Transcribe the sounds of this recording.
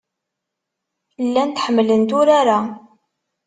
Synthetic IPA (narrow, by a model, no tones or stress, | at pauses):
lːænt̪ħəmːlənt̪ʊɾaɾa